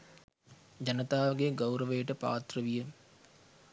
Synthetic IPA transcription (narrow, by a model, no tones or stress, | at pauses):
d͡ʑɐnət̪aːʋɡeɡɐwɾəʋəjəʈəpa̰ːt̪rəʋijə